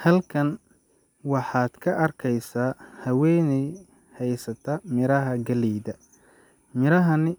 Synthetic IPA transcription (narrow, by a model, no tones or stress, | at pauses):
hɐlkʰɐn | wɑħɑːd̪̥kʰɐʔɐrkʰɛjsaːhɐwɛːnɛj | hɛjsɐt̪ʰɐmɪɾɐɦɐɡɐliːðɐ | mɪɾɐɦɐnɪ